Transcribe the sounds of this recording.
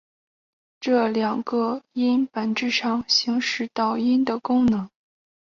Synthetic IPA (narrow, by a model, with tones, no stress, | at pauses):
ʈ͡ʂɤ˥˩ljɑ˨˩ŋɡə˧i˥npə˨˩nʈ͡ʂɻ̩˥˩ʂɑ˥˩ŋɕi˧˥ŋʂɻ̩˥˩t̪ɑ˥˩ʊi˥nd̪ə˨kʊ˥ŋnɤ˧˥ŋ